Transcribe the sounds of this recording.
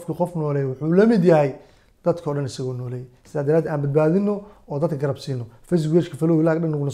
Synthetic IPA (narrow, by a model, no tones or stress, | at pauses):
fkʰiqɔfnɔːlɛjwʊħuːlɐmɪd̪jɐɦɛj | d̪̥ɐd̪kʰɔːɖɐnɪsɐɣɔːnɔːlɛjsɪðaːd̪ɐɾaːd̪ɛaːnbɐd̪̚baːðɪnːɔɔːd̪ɐd̪̚kʰɐɡɐɾɐbsiːnːɔfɛs̬ɡwɛːt͡ʃkʰɐfɐlɔwɪlaːɡɗɐnːɐɣʊnɐ